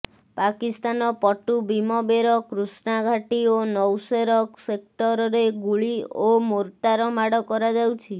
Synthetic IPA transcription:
pakist̪anɔpɔʈubimɔbeɾɔkɾusnaɡʱaʈionɔwseɾɔksek̚ʈɔɾɔɾeɡuɭiomoɾʈaɾɔmaɽɔkɔɾad͡ʒawt͡ʃʰi

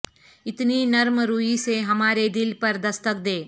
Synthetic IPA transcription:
ɪt̪ninɐɾmɾuiseɦɐmaːɾed̪ɪlpɐɾd̪ɐst̪ək̚d̪eː

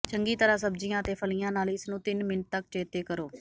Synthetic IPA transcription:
t͡ʃʰəŋɡiːt̪əɾaːsəbd͡ʒɪjãːt̪eːpʰəlɪjãːnaːlɪsnũːt̪ɪnmɪnəʈ̚t̪əkt͡ʃeːt̪eːkəɾoː

